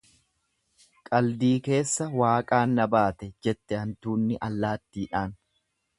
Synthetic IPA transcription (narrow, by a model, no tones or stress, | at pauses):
kʼɐld̪iːke̞ːsːɐwaːkʼaːnːɐbaːt̪ɛd͡ʒɛt̪ːɛhɐnt̪uːnːɪʔɐlːaːt̪ːiːᶑaːn